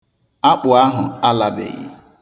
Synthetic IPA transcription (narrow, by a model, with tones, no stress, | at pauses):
a˦k͡pʊ˨a˦ɦʊ˨a˦la˨bḛ˨ɣɪ̰˦